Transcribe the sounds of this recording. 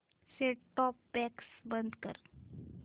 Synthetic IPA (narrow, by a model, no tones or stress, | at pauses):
seʈɔpːɛksbənd̪kə̰ɾ